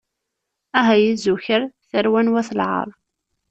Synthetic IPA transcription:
æɦæjizuçəɾθəɾwænwæθəlʕɑ̰ɾˤ

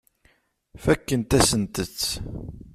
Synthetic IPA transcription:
fækːənt̪æsənt̪ət͡sː

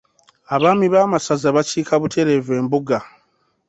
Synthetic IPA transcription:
aβaːmiβaːmasazaβaciːkʰaβutʰe̞ɾe̞ve̞ːmbuɡa

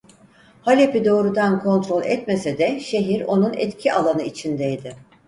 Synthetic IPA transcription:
halʲe̞pid̪o̞ːɾud̪ankʰo̞nt̪ɾo̞lʲɛ̰t̪me̞sed̪ɛʃe̞ɦiɾo̞nunɛ̰t̪cʰiʔalˠanɯit͡ʃʰind̪ɛjd̪ɪ

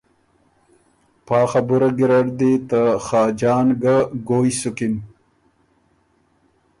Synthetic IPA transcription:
pɑːxabuɾɐɡiɾɐɽd̪it̪axaːd͡ʑɑːnɡaɡoːjsukim

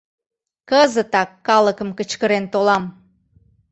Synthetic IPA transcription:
kəzət̪ɑkːɑləkəmkət͡ɕkəɾent̪olɑm

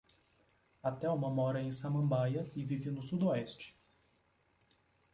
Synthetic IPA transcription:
at̪ɛũmɐmɔɾɐẽj̃sɐ̃mɐ̃mbajɐɪvivɪnʊsud̪oɛst͡ʃɪ̥

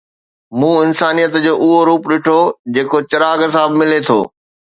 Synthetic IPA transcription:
mũːɪnsaːnijət̪d͡ʑoːʔʊɦoɾuːpɗɪʈʰod͡ʑeːkot͡ɕɐɾaːɡs̬aːəbmɪlet̪ʰo̰ː

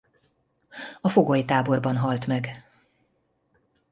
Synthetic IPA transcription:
ɒfo̞ɡojit̪aːbo̞rbɒnɦɒlt̪mɛɡ

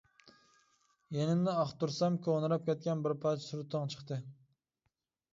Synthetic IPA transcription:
jenɪmnɪɑχt̪uɾsɛmkʲʰøʁnɨɾɑp̚kʲɛt̪̚ʲkʲɛnbɪɾpʰɑt͡ʃʰsuɾt̪ʰːɨŋt͡ʃʰə̥χt̪ɨ

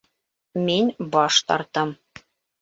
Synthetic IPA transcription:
minbɑʃt̪ɑ̰ɾt̪ɤm

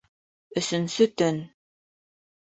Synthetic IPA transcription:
ɵ̆sɵ̆nsɵt̪ɵn

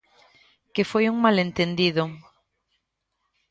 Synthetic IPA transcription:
kefojuŋmalent̪end̪iðʊ

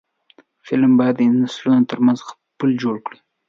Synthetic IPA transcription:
fɪlmbɑjad̪ːənaslunot̪əɾmanzx | pəld͡ʒoɽkɽi

